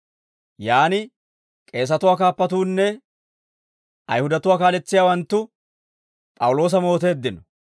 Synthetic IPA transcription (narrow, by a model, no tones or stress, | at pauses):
jaːnɪ | kʼe̞ːs̬ɐt̪ʊwaːkaːpːɐt̪uːnːɛ | ʔɐ̰jhʊd̪ɐt̪ʊwaːkaːlɛt͡sːɪjaːwɐnt̪ːʊ | pʼɐwʊlo̞ːs̬ɐmo̞ːt̪e̞ːd̪ːɪnɔ